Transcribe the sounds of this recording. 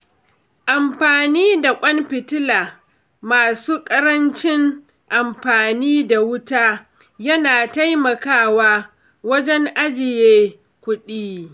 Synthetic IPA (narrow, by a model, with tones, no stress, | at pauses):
ʔa˨mɸaː˨niː˦da˨kʷʼɐ˦mɸɪ˨tɪ˦laː˨ | maː˨suː˦kʼɐ˦ɾɐ˦nt͡ʃɪ˦ŋ | ʔa˨mɸaː˨niː˦da˨wʊ˦taː˦ | jɐ˦naː˨ta˦jmɐ˨kaː˦waː˦ | wɐ˦d͡ʒɛ˦ŋʔa˦d͡ʒɪ˨jeː˦ | kʷʊ˦ɗiː˦